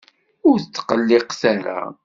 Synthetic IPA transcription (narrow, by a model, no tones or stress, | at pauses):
ʊɾθət͡sːqəlːɪqθaɾa̰